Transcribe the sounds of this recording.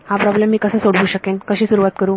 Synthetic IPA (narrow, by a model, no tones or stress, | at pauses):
hapɾɔblemːiːkəsəːsoɽuːɕəkenkəɕiːsuɾuʋat̪̚kəɾuː